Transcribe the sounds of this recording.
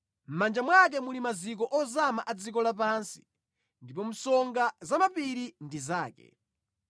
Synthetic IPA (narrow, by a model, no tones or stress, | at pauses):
m̩mand͡ʒamwak̬ɛmulimazik̬ɔʔɔzamaʔad͡zik̬ɔlap̬ansi̥ | ndipɔm̩sɔŋɡazamapiɾindizaːkɛ̰